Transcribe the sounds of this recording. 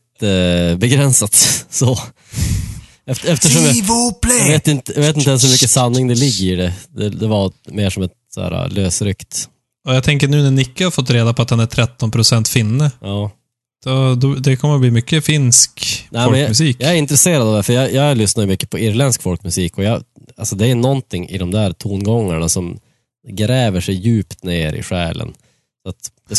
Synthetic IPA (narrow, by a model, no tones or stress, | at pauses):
əbɛɡɾɛnsat̪sɔ | ɛfɛft̪əʂɔmjaplveːt̪ɪnt̪əjaveːt̪ɪnt̪əɛlshʉɾmʏkːəsanːɪŋd̪ɛlɪɡːəɪɖɛd̪ɛd̪ɛvameːʂɔmɛt̪sæ̰ːɾa̰løːsɾʏkt̪ | ɔjɑɡt̪ʰɛŋkəɳʉːnæɳɪkːəhaɾfɔt̪ːɾeːd̪apʰɔat̪̚d̪ɛnæʈʰɾɛt̪ːɔnpʰɾʊsɛnt̪fɪnːəɑː | d̪̥ɔd̪ɔd̪ɛkʰɔmːəɾbliːmʏkːəfɪnsknɛːɔlmɛnjamʉsiːkjɑɛɾɪnt̪ɾɛseːɾad̪ɑːvd̪ɛfœɾjɑjɑɡlʏsnad̪jɵmʏkːə̥pʰɔɪɾlɛnskfɔlkmʉsiːkɔjɑalsɔd̪ɛːɾʉnɔnt̪ʰɪŋːɪ̰d̪ɔmd̪æɾt̪ʰuːnɡɔŋːaɳasɔm | ɡɾɛːvəʂɛjjʉ̟ːpt̪neːɾɪ̰ɧæːlə̰n | sɔat̪d̥̪ɛ